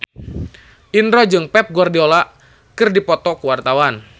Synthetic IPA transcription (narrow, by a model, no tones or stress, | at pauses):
ʔinɾɔd͡ʒɨŋpɛp̚ɡuardiolaʔ | kɨrdipɔt̪ɔkuwart̪awan